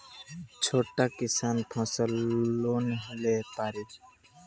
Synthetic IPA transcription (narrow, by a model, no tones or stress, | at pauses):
t͡ʃʰoːʈakisaːnp̪ʰɔ̃ːsəllonɦelepaːɾi